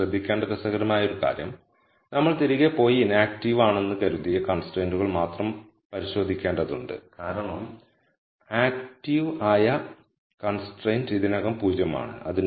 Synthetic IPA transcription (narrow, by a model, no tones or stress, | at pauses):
ɐd̪ʱːikʲːeːɳɖɐkɐsɐɣɐɾɐmaːjɐo̞ɾuka̰ːɾjɐm | nɐmːɐɭt̪iɾiɣepo̞ːjinaːk̚ʈiʋaːɳe̞nːɨkɐɾuðijɐkɐɳsʈrejnduɣɐɭmaːt̪rɐm | pɐɾiɕo̞ːd̪ʱikʲːeːɳɖɐðuɳɖɨ̰kaːɾɐɳɐm | aːk̚ʈiʋaːjɐ | kɐnsʈrejndiðinɐɣɐmpuːd͡ʑjɐma̰ːɳɨ̰ɐ̰ðin